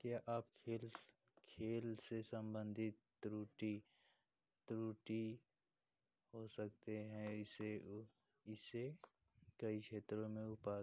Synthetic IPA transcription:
kjaʔaːpkʰeːl | kʰeːlsesə̃mbə̃nd̪ʱɪt̪ː | ɾuːʈi | t̪ɾuːʈi | ɦosək̚t̪eɦɛ̃ɪse | ɪse | kəikʰeːt̪ɾõmẽʊpaː

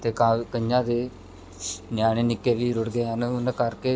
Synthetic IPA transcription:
t̪eːkakəɲjãːd̪eː | njaːɽ̃eːnɪkːeːʋiːɾʊɽɡeːɦənʊnːkəɾkeː

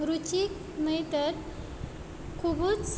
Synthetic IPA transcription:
ɾut͡ʃik | nəjt̪əɾ | kʰubut͡s

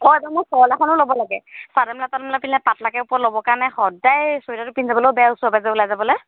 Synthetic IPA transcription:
ɔɛdamɔjsɔɔlakɔnʊlobɔlaɡɛsadamɛlatadɛmlapillɛpatlakɛupɔlobɔkaɹnɛxɔdajsoidatʊpinzabɔloobɛausɔbazaʊlajzabɔlɔj

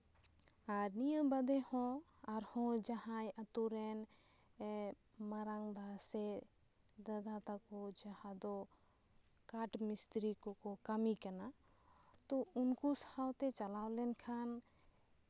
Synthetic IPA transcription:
aɾnijəmbəd̪ɛhɔ̃aɾhɔ̃d͡ʒaɦãjat̪uɾɛn | maɾaŋb̪ʱasɛ | d̪ad̪at̪akɔd͡ʒahãd̪ɔ | kaʈmist̪ɾikɔkɔkəmikana | t̪ɔunkushawt̪ɛt͡ʃalawlɛnkʰan

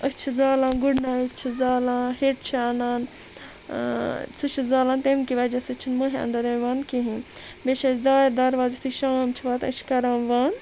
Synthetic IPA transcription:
ət͡ʃʰizaːlãːnɡuɽnãːikt͡ʃʰizaːlãːheʈ̚t͡ʃʰiaːnaːn | suʃʰizaːlãːnt̪emkiʋɐd͡ʒɐsɐt͡ʃʰinmɐɦẽɐ̰nd̪ɐɾɐʋaːnkiɦĩ | beʃɐt͡ʃd̪aːiɾd̪ɐɾʋaːzt̪ʰiʃaːmt͡ʃʰiʋaːt̪ɐ̰t͡ʃʰkɐɾãːmʋaːn

